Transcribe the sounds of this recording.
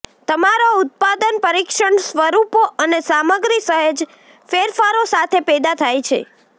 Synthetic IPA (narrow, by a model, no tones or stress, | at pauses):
t̪əmaɾoʊt̪̚pad̪ənpəɾikʃəɳsʋəɾupoʔənesaməɡɾisəɦəd͡ʒ | feɾfaɾosat̪ʰepɛd̪at̪ʰajt͡ʃʰḛ